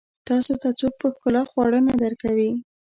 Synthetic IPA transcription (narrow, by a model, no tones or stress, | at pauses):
t̪ɑsot̪at͡sok̚pəxkəlɑxwɑɽənad̪əɾkawi